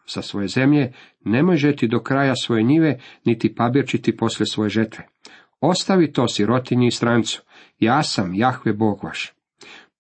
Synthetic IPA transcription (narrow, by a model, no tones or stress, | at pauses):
z̥asʋo̞je̞ze̞mʎe̞ | ne̞mo̞jʒet̪id̪o̞kɾaːjasʋo̞jeɲiʋenit̪ipabiɾt͡ʃit̪ipo̞slʲesʋo̞je̞ʒet̪ʋe | o̞st̪aʋit̪o̞ːsjiɾo̞t̪iɲiist̪ɾant̪su̥ | jaːsamjaxʋeboːɡʋaʃ